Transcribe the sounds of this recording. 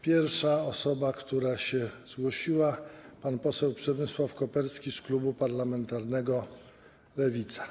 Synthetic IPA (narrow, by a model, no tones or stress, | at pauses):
pʲjɛɾʂaɔsɔbakt̪uɾaɕɛz̥ɡwɔɕiwapanpɔsɛwpʂɛbɘswafkɔpɛɾskʲisklubupaɾlamɛnt̪aɾnɛɡɔ | lɛvʲit̪sḁ